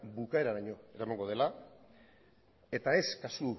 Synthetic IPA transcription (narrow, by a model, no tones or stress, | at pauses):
bukae̞ɾaɾaɲo̞e̞ɾamaŋɡo̞ð̞e̞la | e̞t̪ae̞skasu